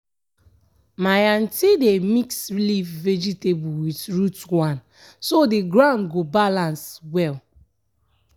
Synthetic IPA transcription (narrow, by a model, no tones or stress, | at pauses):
majan̩tidemiksɹilifved͡ʒitebuwitɹutwãn | sodiɡɹãʊnɡobalãnswɛl